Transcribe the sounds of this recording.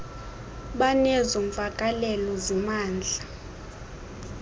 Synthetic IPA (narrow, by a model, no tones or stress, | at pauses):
ɓanɛzoɱfakʼalɛlɔzɛmaːnd͡ɮʱa